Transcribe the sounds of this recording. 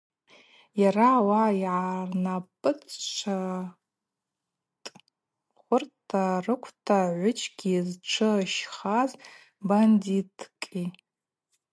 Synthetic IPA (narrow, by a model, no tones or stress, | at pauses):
jarawaiʕarnapʼɨt͡st͡ʃʷʰa | tʼ | χʷʊrtʰarɨkʷʰtʰaʕʷʊt͡ʃʰɡʲizʈ͡ʂʷʰɨʃχaz | banditʰkʼi